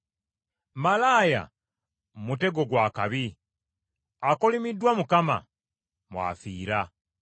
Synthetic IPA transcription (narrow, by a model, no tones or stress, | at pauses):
malaːja̰ | mute̞ɡo̞ɡwaːkaβi | akolimidːwamukama̰ | mwa̰ːfiːɾa